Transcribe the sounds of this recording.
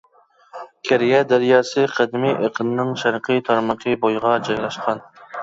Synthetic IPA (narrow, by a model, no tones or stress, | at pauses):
kʲʰæɾijɛd̪æɾijɑːsɨqʰæd̪ɪmiʔeqʰənɨnɨŋʃæɾqʰɨt̪ʰɑɾməqʰəbojʁɑd͡ʒɑjlˠɑʃqʰɑn